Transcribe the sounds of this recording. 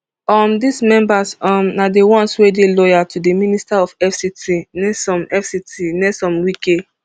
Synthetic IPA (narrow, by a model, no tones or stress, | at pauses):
ɔmdismɛ̃mbasɔmnadewɔ̃nswedelɔjatudeministaɔfɛfsitinɛsɔ̃mɛfsitinɛstɔ̃mwike